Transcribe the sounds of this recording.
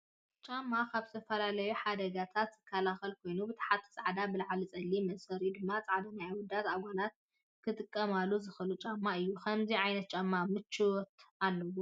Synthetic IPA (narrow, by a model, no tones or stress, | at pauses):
t͡ʃʼamːakʰaβzt̪ʰɐfɐlalɐjuħad̪ɐɡat̪ʰat̪z̥ɨkʰːɐlaxɐlkʰo̞jnubɨt̪ʰḁħat̪ʰːɐ̥sʼaʕd̪abɨlaʕalɨt͡sʼɐlːimɐsɐɾid̪ɨmːat͡sʼaʕd̪ɐnajwɔd̪ːat̪aɡʷanat̪̚ | kʰɨt̪ʼɨkʼːɐmalːuzɨxɨlut͡ʃʼamːaɨjːukʰɐmziʕajnɐt̪̚t͡ʃʼamːamɨt͡ʃːɨwɔt̪alːɐwu